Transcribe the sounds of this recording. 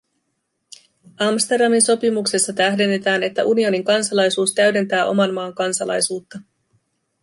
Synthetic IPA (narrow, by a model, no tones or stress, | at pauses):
ɑmst̪e̞rdɑminso̞pimukse̞sːɑt̪æhde̞nːe̞t̪æːne̞t̪ːæ̰ʔunio̞niŋkɑnsɑlɑjsuːst̪æɥde̞nt̪æːʔo̞̰mɑnmɑːŋkɑnsɑlɑ̰jsuːt̪ːɑ